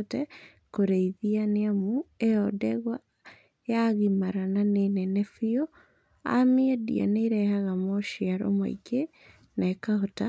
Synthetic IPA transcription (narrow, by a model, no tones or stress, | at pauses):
tɛ | koɾeiðianeamueɔdɛɣwa | jaɣimaɾananenɛnɛfio | a̰miɛdḭa̰neɾɛhaɣamoʃiaɾo̰ma̰ḭke | nakahota